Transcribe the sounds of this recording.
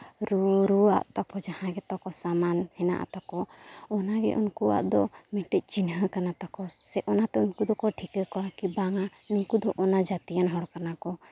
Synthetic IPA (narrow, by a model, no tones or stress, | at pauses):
ɾuɾua̰ʔt̪ɔkɔd͡ʒahãɡɛt̪ɔkɔsamanhɛna̰ʔa̰t̪ɔkɔɔnaɡɛ̰ʔunkua̰ʔd̪ɔmɛʈɛc̚ˀt͡ʃinɦəkanat̪ɔkɔsɛʔɔnat̪ɛunkud̪ɔkɔʈʰikəkɔakibaŋanuŋkud̪ɔʔɔnad͡ʒat̪ijanɦɔɾkanakɔ